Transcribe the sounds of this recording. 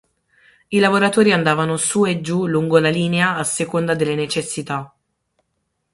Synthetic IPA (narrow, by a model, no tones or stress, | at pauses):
ilavoɾat̪oːɾiand̪aːvanosued͡ʒːuluŋɡolaliːneaːsːekond̪ad̪elːenet͡ʃesːit̪a